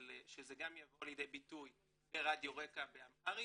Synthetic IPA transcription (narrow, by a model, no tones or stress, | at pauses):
lʃezeɡamjavo̞aljed̪ejbituj | beʁad̪joʁe̞kabeamaʁi